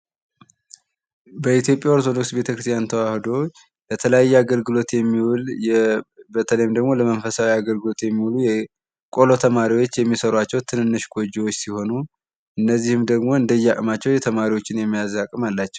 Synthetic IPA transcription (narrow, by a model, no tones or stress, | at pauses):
bəit̪jo̞pʼjaoɾt̪ʰo̞d̪o̞ksbe̞t̪ʰəkɾɨst̪ʰjant̪ʰəwahɨd̪o̞ | bət̪ʰələjajːɛaɡəlɡɨlo̞t̪jɛmːiwljɛbət̪ʰələjmd̪əɡmo̞ləmənfəsawiaɡəlɡɨlo̞t̪jɛmːiwulujɛ | kʼo̞lo̞t̪ʰəmaɾiwo̞t͡ʃːjɛmːisəɾwat͡ʃːɛwt̪ʰɨnɨnːɨʃɡo̞d͡ʒiwo̞t͡ʃːsiho̞nu | ʔɨnːəzːihɨmd̪əɡmo̞ɨnd̪əjːɛakʼmat͡ʃːɛwjɛt̪ʰəmaɾiwo̞t͡ʃːɪnjɛmːijazakʼɨmalːat͡ʃːɛw